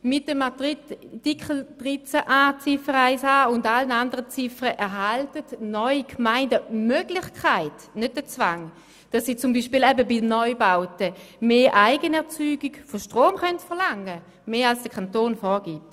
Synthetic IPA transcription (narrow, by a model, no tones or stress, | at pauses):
mɪt̚ːəmadʁitikəl̩d̥ʁɪt͡səʔaːt͡sɪfəʁaɪsaːʊndalənandəʁət͡sɪfəʁəʔɛʁɦaltətnɔʏikʰmaɪndəmøɡlɪχkʰaɪt | nøt̚dət͡svaŋ | d̥asːiːt͡sumbiːʃpiːlɛbəbidnɔʏbaʊtəmeːʔaɪɡənɛɐt͡syːɡiɡfoʃtʁoːmχœntfɛʁlaŋə | meːalsd̥əkʰantoːnfɔːɡ̥iːt